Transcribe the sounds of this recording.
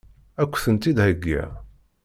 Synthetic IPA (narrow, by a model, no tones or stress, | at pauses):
ækʷːθənt̪id̪hæɡːæ̰